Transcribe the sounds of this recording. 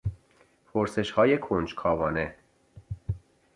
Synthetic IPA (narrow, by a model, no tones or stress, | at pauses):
pʰoɾseʃhɒːjekʰond͡ʒkʰɒːvɒːne